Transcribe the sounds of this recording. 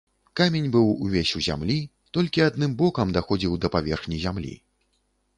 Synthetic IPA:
kamʲenʲbɨwuvʲesʲuzʲa̰mlʲi | t̪ɔlʲkʲiad̪̚nɨmbɔkɐmd̪axɔd͡zʲiwd̪ɐpavʲɛrxnʲizʲamlʲḭ

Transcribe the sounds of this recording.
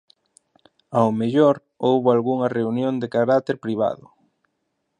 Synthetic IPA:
awmeʎoɾ | owβʊalɣuŋɐreunjoŋd̪ekaɾat̪eɾpɾiβ̞a̰ðʊ

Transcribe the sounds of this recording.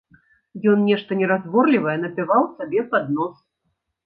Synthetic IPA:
jɔnnʲɛʂt̪ɐnʲɛɾazvɔrlʲivɐjɛnɐpʲɛvawsabʲɛpad̪nɔs

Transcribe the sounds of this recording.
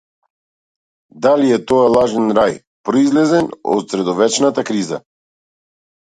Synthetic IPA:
d̪aliɛt̪ɔjalˠaʒɛnɾaj | pɾɔizlɛzɛnɔ̰t̪sɾɛd̪ɔvɛt͡ʃnat̪akɾiza̰

